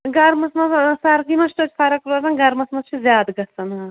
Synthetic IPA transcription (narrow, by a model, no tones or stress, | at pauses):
ɡɐɾmɐsmɐssɐɾɡ̪imɐst̪ot͡ʃʰʲpʰɐɾɐkɾozɐnɡɐɾmɐsmɐst͡ʃʰizjaːd̪ɡɐsɐnɐ